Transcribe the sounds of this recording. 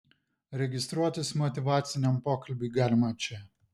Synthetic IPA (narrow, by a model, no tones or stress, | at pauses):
ɾʲɛɡʲɪst̪ɾuɔt̪ʲɪsmɔt̪ʲɪʋɑːt̪sʲɪnʲɛmpoːkɐlʲbʲiːɡɑːlʲɪmɐt͡ʃʲɛ